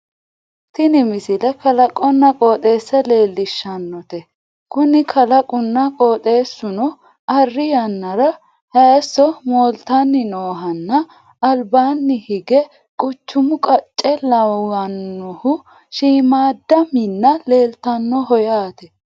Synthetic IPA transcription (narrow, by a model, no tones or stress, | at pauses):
t̪ɪnɪmɪsɪlɛkɐlɐkʼɔnːɐkʼoːt̪ʼe̞ːsːɛle̞ːlːɪʃːɐnːɔt̪ɛ | kʊnɪkʰɐlɐkʼʊnːɐkʼoːt̪ʼe̞ːsːʊnɔ | ɐrːɪjɐnːɐɾɐ | hɐsːɔmɔːlt̪ɐnːɪnoːɦɐnːɐ | ɐlbaːnːɪhɪɡɛ | kʼʊt͡ʃːʊmʊkʼɐt͡ʃʼːɛlɐwɐnːɔhʊ | ʃiːmaːd̪ɐmɪnːɐle̞ːlt̪ɐnːɔhɔjaːt̪ɛ